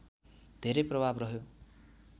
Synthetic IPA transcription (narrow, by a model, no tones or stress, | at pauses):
d̪ʱeɾʌjprʌbʱabrʌɦjo